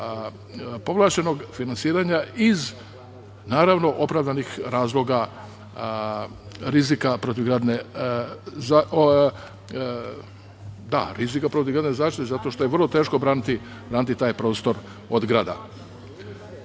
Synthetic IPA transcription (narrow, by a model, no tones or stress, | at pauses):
po̞ʋlˠat͡ɕe̞no̞ɡfinansiːɾaɲaiz | naːɾaʋno̞ʔo̞pɾavd̪anixɾaːzlˠo̞ɡa | ɾizikapɾo̞t̪iʋɡɾaːd̪ne | za | d̪a̰ɾizikapɾo̞t̪iʋɡɾaːd̪nezaːʃt̪it̪ezat̪o̞ʃt̪o̞jeʋrlˠo̞t̪e̞ːʃko̞bɾaːnit̪i | bɾaːnit̪it̪aːjpɾo̞ːst̪o̞ɾ | od̪ɡɾaːd̪a̰